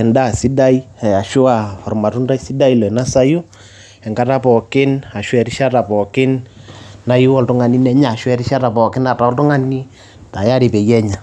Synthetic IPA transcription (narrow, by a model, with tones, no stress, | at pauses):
ɛ˨nda˦˨si˦da˦i˦ɛ˨a˨ʃʊ˦a˨fɔ˨rma˨tu˦nda˦i˦si˦da˦i˦lɔ˨ɛ˨na˦sa˦jʊ˦ | ɛ˨ŋɡa˦ta˦pɔ˨kɪ˦na˨ʃwɛ˨ɾɪ˦ʃa˦ta˨pɔ˨kɪ˦nna˦jʊ˦ɔ˦ltʊ˦ŋa˨ni˦nɛ˦ɲa˨ʃwɛ˦ɾɪ˦ʃa˦ta˨pɔ˨kɪ˦na˨ta˨ɔ˦ltʊ˦ŋa˦ni˦ | ta˨ja˦ɾi˨pe˨jɛ˦ɲa˨